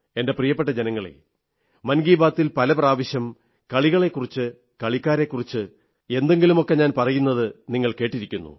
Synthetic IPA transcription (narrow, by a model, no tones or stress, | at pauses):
e̞nde̞prijɐpːe̞ʈ̬ːɐd͡ʑenɐŋːɐɭḛ | mɐnɡiːbaːt̪ːilpɐlɐpraːʋɐɕjɐm | kɐɭiɣɐɭe̞kːurit͡ɕːɨ | kɐɭikʲːaːɾe̞kːurit͡ɕːɨ | e̞nd̪e̞ŋɡilumo̞kːe̞ɲaːnpɐrɐjunːɐðɨniŋːɐɭke̞ːʈːiɾikʲːunːṵ